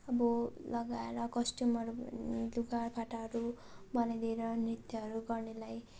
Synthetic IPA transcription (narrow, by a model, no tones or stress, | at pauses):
ʌbʌlʌɡaeɾʌkʌsʈumʌɾuluɡarpʰaʈaɦʌɾu | bʌnajd̪eɾʌnrit̪jʌɦʌɾuɡʌrnelaj